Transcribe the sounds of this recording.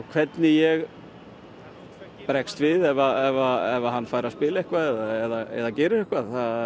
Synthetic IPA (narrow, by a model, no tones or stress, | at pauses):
kʰvɛt̪nɪjɛɣ | pɾɛkst̪vɪðɛvaɛvaɛvaɦanːfaːjɾaspɪːlaɛhkvaðɛðaɛðaɛ̰ðacɛːɾɪɾɛhkvaðθa